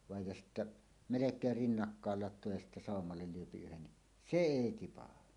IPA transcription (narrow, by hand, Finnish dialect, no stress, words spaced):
ʋɑˑej jɑ sitːæ melekˑeːr rinːɑkːɑːl lɑtˑoː jɑ sitːæ sɑˑomːɑlːel lyøpi yhen ni se eˑi tipɑhɑ